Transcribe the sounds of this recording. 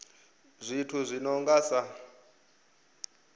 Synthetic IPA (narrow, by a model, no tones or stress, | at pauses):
zʷitʰuzʷinɔŋɡasa